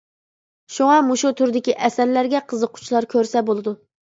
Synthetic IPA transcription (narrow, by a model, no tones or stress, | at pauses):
ʃuŋɑmuʃut̪ʰuɾd̪ɪkʲiʔɛsæɾlæɾɡʲɛqʰəzəqʰːʊ̥t͡ʃʰlˠɑɾkʲʰøɾsɛbolˠɨd̪u